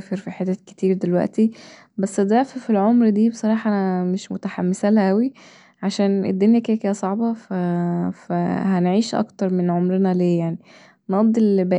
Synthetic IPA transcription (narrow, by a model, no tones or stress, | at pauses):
feɾfiħet̪ːæke̥t̪iːɾd̪elwæ̰ʔt̪i | bæsːæd̪æfæfilʕomɾd̪iːbesˤɑɾˤɑːħɑʔænæmeʃmo̰t̪æħamːesælʔæwi | ʕaʃæːnʔḛd̪ːonjæked̪æked̪æsˤɑʕbɑfæfæ̰hænʕiːʃʔɑ̰kt̪ɑɾˤmenʕomɾenæleːjaʕni | nɑd̪ˤːilbæ